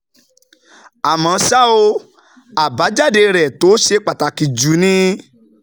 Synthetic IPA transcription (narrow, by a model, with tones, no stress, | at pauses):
a˨mã˨˦ʃa˦o˧ | a˨ba˨˦d͡ʒa˦˨de˧ɾɛ˨to˨˦ʃe˧k͡pa˨ta˨ki˨d͡ʒu˨˦nĩ˦